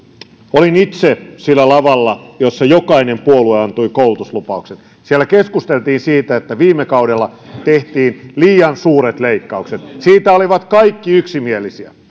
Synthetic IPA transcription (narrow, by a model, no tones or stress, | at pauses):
olinit̪sesilːælɑʋɑlːɑjosːɑjokɑinempuolueɑnt̪uikoulut̪uslupɑukset̪ | sielːækeskust̪elt̪iːnsiːt̪æet̪ːæʋiːmːekɑwdelːɑt̪eht̪iːnliːjɑnsuːɾet̪leikːɑukset̪siːt̪æoliʋɑt̪kɑikːiyksimielisiæ̰